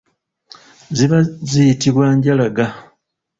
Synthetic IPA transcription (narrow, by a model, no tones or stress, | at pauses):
ziβazijitiβwaːɲɟalaɡa